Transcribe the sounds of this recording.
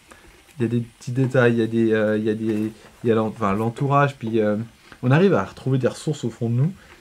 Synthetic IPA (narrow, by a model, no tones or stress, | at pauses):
iljad̪epət̪ʰid̪et̪ajjad̪eøiljad̪ejalɑ̃fɛ̃lɑ̃t̪uʁaʒepɥiø | ɔ̃naʁivaʁət̪χuved̪eʁəsuʁsofɔ̃d̪ənu